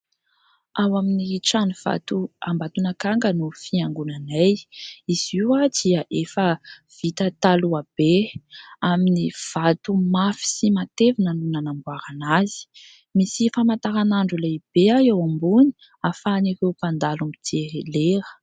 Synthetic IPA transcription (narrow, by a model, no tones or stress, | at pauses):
awaminiʈ͡ʂaniv̥a̰t̪uambat̪unakaŋɡənufiaŋɡunanajiz̥iwad̪iəʔefəv̥it̪ət̪aluab̥e | aminiv̥at̪umafi̥simat̪evinənunanambuaɾanazi̥ | misifamat̪aɾanaɳɖ͡ʐuleb̥eaewambuni̥ | afanirewpand̪alumid̪eleɾə̥